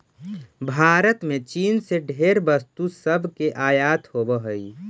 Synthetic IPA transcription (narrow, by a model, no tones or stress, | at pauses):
bʱaːɾət̪mẽt͡ʃiːnseɖʱeːɾbəst̪usəbʱkeʔaːjaːt̪hobəɦəi